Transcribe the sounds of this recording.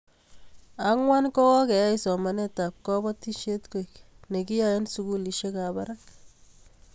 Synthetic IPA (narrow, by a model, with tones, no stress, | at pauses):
a˦ŋwa˦nkɔ˦kɔ˦kɛ˨ja˦i˦sɔ˨ma˨nɛ˦t̪a˨p̚kɔ˦bɔ˦ti˦ʃe˦tko˨jkne˨ki˦ja˨je˦nsu˦ku˦li˨ʃe˦ka˨ba˦ɾa˦k